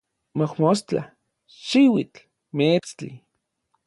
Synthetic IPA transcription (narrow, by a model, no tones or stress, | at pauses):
mohmost͡ɬa̰ | ʃiwit͡ɬ | met͡st͡ɬḭ